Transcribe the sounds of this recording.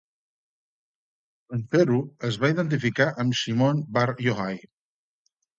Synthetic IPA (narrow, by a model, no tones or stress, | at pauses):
əɱfeɾuəzβaiðənt̪̬ifikaʔəmsimonbaɾjoɣaj